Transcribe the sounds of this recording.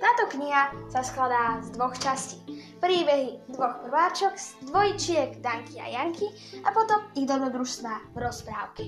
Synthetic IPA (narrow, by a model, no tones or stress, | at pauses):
t̪aːt̪ɔkɲiɦasasklad̪aːzd̪ʋɔxt͡ʃasciːpɾiːbɛɦid̪ʋɔxpr̩ʋaːt͡ʃɔkd̪ʋɔjit͡ʃɪɛɡd̪aŋkʰia̰jaŋkʰi | apɔt̪ɔmiɣd̪ɔbɾɔd̪ɾuʃst̪ʋaːvɾɔspɾaːʊkɛ̥